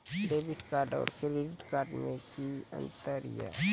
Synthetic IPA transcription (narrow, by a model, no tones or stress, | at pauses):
ɖeːbɪʈkaːɾɖɔ̰ːɾkɾeɖɪʈkaːɾɖmẽkiə̰̃nt̪əɾija̰